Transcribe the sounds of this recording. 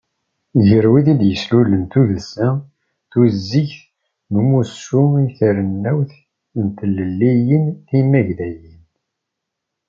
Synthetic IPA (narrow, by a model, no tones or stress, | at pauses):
ʝəɾwiðid̪jəslulənt̪uðəlsæ | θuzːiçθ | məmusumiθəɾənːæwθ | ənt̪ələlːijənθimːæʝðæjin